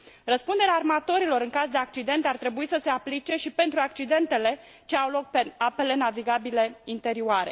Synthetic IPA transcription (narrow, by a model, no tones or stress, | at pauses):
rəspund̪e̞ɾeaːrmat̪o̞ɾilo̞ɾɨŋkazd̪e̞ak̚t͡ʃid̪e̞nt̪art̪ɾe̞buisəse̞aplit͡ʃe̞ʃipe̞nt̪ɾuak̚t͡ʃid̪e̞nt̪e̞le̞ | t͡ʃe̞awlo̞k̚pe̞ape̞le̞naviɡabile̞int̪e̞ɾioaɾe̞